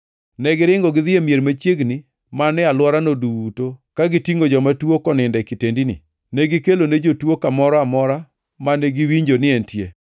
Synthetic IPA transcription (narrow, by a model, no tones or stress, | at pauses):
nɛɡɪɾɪŋɡɔɡɪðɪemjeɾmat͡ʃjeɡnɪ | manɛalwɔɾanoduwutokaɡɪtiŋɡod͡ʒɔmatwokɔnɪndɛkɪtendinḭ | nɛɡɪkeloned͡ʒotwokamɔɾɔamɔɾa | manɛɡiwiɲd͡ʒonɪɛntje